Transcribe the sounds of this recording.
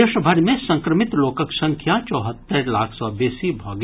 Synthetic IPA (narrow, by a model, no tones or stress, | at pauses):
eːʃəbʱɐɾmẽsɐ̃ŋkɾəmɪt̪loːkəksɐ̃ŋkʰjat͡ʃɔːɦət̪ːəɾlaːkʰsɔːbeːsibʱɔːɡ